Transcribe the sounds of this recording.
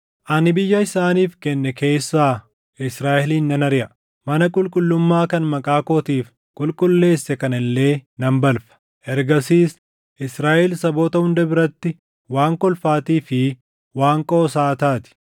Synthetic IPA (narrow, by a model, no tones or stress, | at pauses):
ʔɐnɪbɪjːɐɪsaːniːfkɛnːɛke̞ːsːaː | ɪsɾaːʔɛliːnːɐnɐɾɪʔɐ | mɐnɐkʼʊlkʼʊlːʊmːaːkɐnmɐkʼaːkoːt̪iːf | kʼʊlkʼʊlːe̞ːsːɛkɐnɪlːe̞ːnɐmbɐlfɐ̥ | ʔɛɾɡɐsiːs | ʔɪsɾaːʔɛlsɐbo̞ːt̪ɐhʊnd̪ɐbɪɾɐt̪ːɪ | waːŋkɔlfaːt̪iːfɪ | waːŋkʼoːsaːt̪aːt̪ɪ̥